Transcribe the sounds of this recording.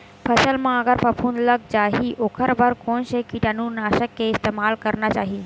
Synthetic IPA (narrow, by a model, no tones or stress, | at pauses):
pʰəsəlmãəɡəɾpəpʰuːnləɡ̚t͡ʃaːɦiʔokʰəɾbʱəɾkoːnʃekiʈanunaːʃəkːeɪst̪emaːlkəɾnat͡ʃaːɦi